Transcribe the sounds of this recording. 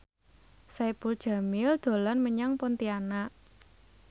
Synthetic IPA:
sapuld̥ʒ̥a̤mɪld̪̥o̤lanməɲaŋpɔnt̪ianaʔ

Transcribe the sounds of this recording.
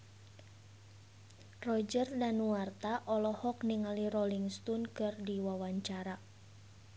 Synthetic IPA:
rɔd͡ʒərdanuwart̪aʔɔlɔhɔkniŋalirɔliŋst̪ɔnkɨrdiwawaɲt͡ʃaɾa

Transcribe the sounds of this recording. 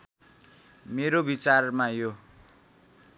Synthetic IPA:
meɾobit͡sarmajo

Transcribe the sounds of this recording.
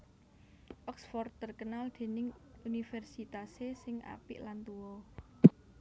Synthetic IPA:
ʔɔksfɔrt̪ərkənald̪̥e̤nɪŋunifɛrsit̪asesɪŋa̰pɪʔlant̪uwɔ

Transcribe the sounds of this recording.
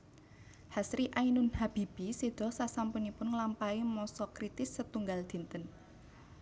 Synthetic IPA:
hasɾiʔainʊnhab̥ib̥ised̪̥ɔ̤sasampunipʊnŋlampaimɔsɔkɾit̪ɪsːət̪uŋɡald̪̥i̤nt̪ən

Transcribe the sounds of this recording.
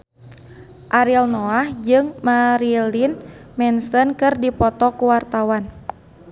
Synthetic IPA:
ʔaɾilnɔahd͡ʒɨŋmaɾilinmɛnsənkɨrdipɔt̪ɔkuwart̪awan

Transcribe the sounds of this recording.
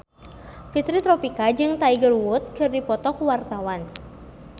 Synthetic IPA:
fit̪ɾit̪ɾɔpikad͡ʒɨŋt̪aiɡərwʊt̪̚kɨrdipɔt̪ɔkuwart̪awan

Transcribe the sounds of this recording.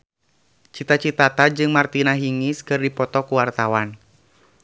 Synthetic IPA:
t͡ʃit̪at͡ʃit̪at̪ad͡ʒɨŋmart̪inaɦiŋiskɨrdipɔt̪ɔkuwart̪awan

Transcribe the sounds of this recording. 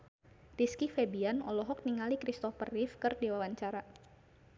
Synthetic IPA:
riskifebianɔlɔɦɔk̚niŋalikɾist̪ɔfərifkərdiwawaɲt͡ʃaɾa

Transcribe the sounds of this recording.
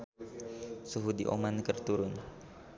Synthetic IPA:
suɦudiʔo̰mankərt̪uɾʊn

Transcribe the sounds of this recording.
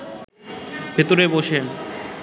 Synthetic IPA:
bʱet̪oɾeboʃe

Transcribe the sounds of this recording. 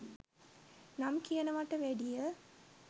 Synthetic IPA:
nɐmkijɐnɐʋaːʈːɐʋeːɽijɐ

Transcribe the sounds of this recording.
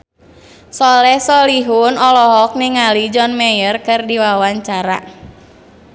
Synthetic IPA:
sɔlɛhsɔliɦʊnɔlɔɦɔk̚niŋalid͡ʒɔnmɛjərkɨrdiwawaɲt͡ʃaɾa̰

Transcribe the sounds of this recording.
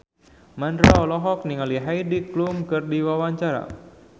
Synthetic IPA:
mandɾaɔlɔɦɔk̚niŋaliɦajdiklumkɨrdiwawaɲt͡ʃaɾa̰

